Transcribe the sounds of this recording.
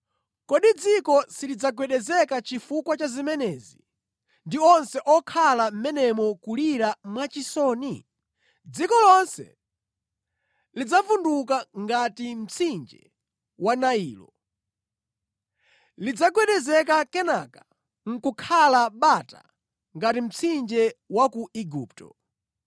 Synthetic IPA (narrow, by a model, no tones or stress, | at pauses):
kɔɗid͡zikɔsilid͡zaɡwɛɗɛzɛkat͡ʃifukwat͡ʃazimɛnɛːzi | ndiɔnsɛʔɔkʰalam̩mɛnɛmɔkuliɾamwat͡ʃisɔːni | d͡zikɔlɔnsɛ̰ | lid͡zafunduk̬aŋɡatim̩t͡sʰind͡ʒɛ | wanaiːlɔ̰ | lid͡zaɡwɛɗɛzɛkakɛnakḁ | ŋ̩kukʰalaɓata̰ | ŋɡatim̩t͡sʰind͡ʒɛwakuiɡuːp̚tɔ̰